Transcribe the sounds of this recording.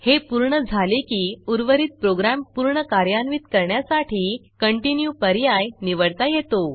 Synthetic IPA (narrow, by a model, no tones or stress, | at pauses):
hepuɾɳəd͡zʱalekiːuɾʋəɾit̪̚pɾoɡɾampuɾɳəkaɾjanʋiːt̪kəɾɳjasaʈʰiːkəɳʈinjupəɾjajniʋəɽt̪ajet̪o